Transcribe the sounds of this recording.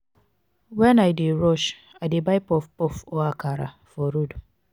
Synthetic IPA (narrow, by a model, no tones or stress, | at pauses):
wɛnajdeɾɔʃ | adebajpɔfpɔfoakaɾa̰ | fɔɾudu